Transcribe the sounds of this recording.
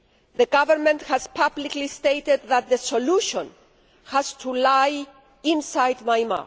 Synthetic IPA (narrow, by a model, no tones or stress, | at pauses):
ðəɡavəɾmɛ̃nthaz̥pʰabliklist̪ejted̪̚ðat̪̚ðəsoluʃɔ̃n | haz̥t̪ʰulaj | ĩnsajd̪majma̰